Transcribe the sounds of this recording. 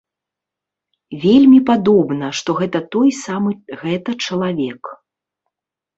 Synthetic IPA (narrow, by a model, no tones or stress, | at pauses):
vʲelʲmʲipad̪ɔbnɐʂt̪ɔɣɛt̪ɐt̪ɔjsamɨɣɛt̪ɐt͡ʂɐlˠavʲɛk